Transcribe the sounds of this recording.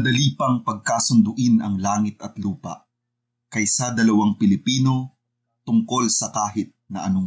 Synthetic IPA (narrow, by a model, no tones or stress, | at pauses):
d̪ɐliːpɐŋpɐɡ̚kaːsʊnd̪ʊʔɪnɐŋlaːŋɪt̪ɐt̪luːpɐ̰ʔ | kɐjsɐd̪ɐlɐwaŋpɪlɪpiːno̞ | t̪ʊŋko̞lsɐkaːɦɪt̪̚nɐʔɐ̰noŋ